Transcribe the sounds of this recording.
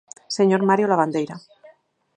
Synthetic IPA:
seɲoɾmaɾjolaβ̞and̪ejɾa

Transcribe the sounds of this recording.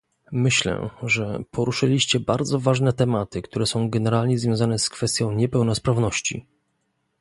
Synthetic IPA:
mɘɕlɛ̰ʐɛpʰɔɾuʂɘlʲiɕt͡ɕɛbaɾd̪zɔvaʐnɛt̪ɛmat̪ɘkt̪uɾɛsɔ̃w̃ɡɛnɛɾalɲɛzvʲjɔ̃w̃zanɛskfɛst̪ʲjɔ̃w̃ɲɛpɛwnɔspɾavnɔɕt͡ɕḭ

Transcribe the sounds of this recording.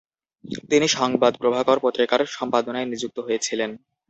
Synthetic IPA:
t̪iniʃɔŋbad̪pɾobʱakaɾpot̪ːɾikaɾʃɔmpad̪onaenid͡ʑuk̚t̪oɦojet͡ɕʰilen

